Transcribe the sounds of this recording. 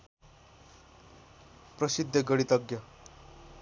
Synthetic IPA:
prʌsid̪ʱːʌɡʌɽit̪ʌɡjʌ

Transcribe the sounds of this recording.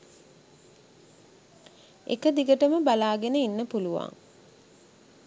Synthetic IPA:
ḛkəd̪iɡəʈəməbalaːɡenəinːəpuluʋa̰ŋ

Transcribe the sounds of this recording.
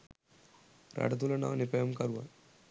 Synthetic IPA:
ɾɐ̰ɖɐt̪̬ulɐna̰ːnipɐjɐmkɐɾuʋa̰n

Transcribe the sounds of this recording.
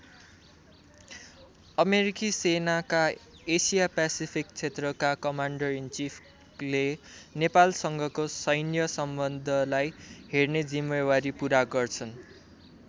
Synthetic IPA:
ʌmeɾikisenaka | esijapasipʰik̚t͡sʰet̪rʌkakʌmaɳɖʌrint͡sipʰ | lenepalsʌŋɡʱʌkosʌjnjʌsʌmbʌnd̪ʱʌlajɦerned͡zimewaɾipuɾaɡʌrt͡sʰʌn

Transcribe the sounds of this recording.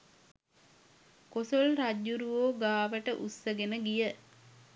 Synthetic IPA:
kosolraɟːuɾuoːɡaːʋəʈəʔusːəɡenəɡijə

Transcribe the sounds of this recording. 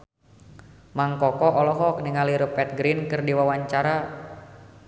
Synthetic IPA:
maŋkɔkɔʔɔlɔɦɔk̚niŋaliɾupɛt̪̚ɡɾinkɨrdiwawaɲt͡ʃaɾa

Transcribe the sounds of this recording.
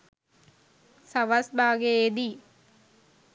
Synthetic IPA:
saʋasbaːɡeed̪i

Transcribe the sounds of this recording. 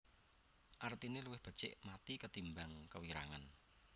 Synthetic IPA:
ʔart̪ineluwɪhb̥ə̤̥t͡ʃɪ̰ʔmat̪ikət̪imbaŋkəwiɾa̰ŋan

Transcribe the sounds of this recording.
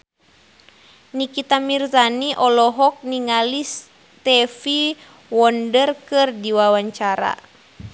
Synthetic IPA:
nikit̪amirzaniʔɔlɔɦɔk̚niŋalis | t̪ɛfi | wɔndərkɨrdiwawaɲt͡ʃaɾa̰

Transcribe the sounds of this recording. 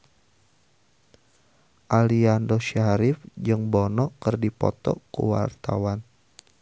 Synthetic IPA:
ʔaliandɔʃaɾɪfd͡ʒɨŋbɔnɔʔkərdipɔ̰t̪ɔ̰kṵwa̰rt̪a̰wan

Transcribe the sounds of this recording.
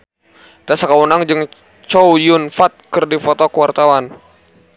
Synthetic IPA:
t̪asakawunaŋd͡ʒɨŋ | t͡ʃowjʊnfat̪̚kərdifɔt̪ɔkəwart̪awan

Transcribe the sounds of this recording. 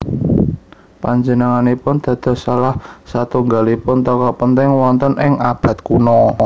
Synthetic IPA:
paɲd͡ʒənəŋanipʊnd̪̥ä̤d̪̥ɔ̤salahsat̪uŋɡalipʊnt̪ɔkɔpənt̪ɪŋwɔnt̪ənʔɪŋʔab̥ä̤t̪̚kunɔ

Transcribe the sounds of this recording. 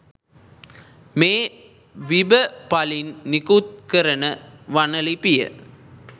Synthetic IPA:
meː | ʋɪbɐpɐlɪnnɪkuːt̪̚kɐɾɐnɐʋɐnɐlɪpɪjɐ̰

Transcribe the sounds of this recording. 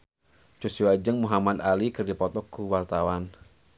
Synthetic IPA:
t͡ʃusiwad͡ʒəŋmuɦamad̪alikɨrdipɔt̪ɔkːuwart̪awan

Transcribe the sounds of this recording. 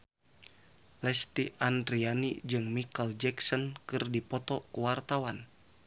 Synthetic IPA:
lɛst̪iandɾianid͡ʒɨŋmikəld͡ʒɛksɔnkɨrdipɔt̪ɔkuwart̪awan

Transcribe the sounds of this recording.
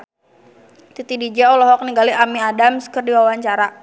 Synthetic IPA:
t̪it̪idid͡ʒɛɔlɔɦɔk̚niŋɡaliʔamiadamskərdiwawaɲt͡ʃaɾa

